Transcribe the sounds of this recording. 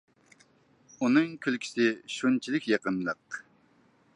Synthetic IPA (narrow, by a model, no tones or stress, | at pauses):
unɨŋkʲʰylkʲʰi̥sɪʃunt͡ʃʰilɪkʲjɑqənlˠəq